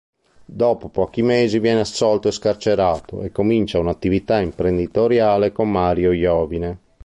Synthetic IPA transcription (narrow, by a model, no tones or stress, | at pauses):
d̪ɔːpopɔːk̟imeːzivjɛːnɛasɔlt̪oɛskart͡ʃeɾaːt̪o̰ʔɛkːomint͡ʃaunat̪ːivit̪aimpɾend̪it̪oɾjaːlekomːaːɾjojɔːvinɛ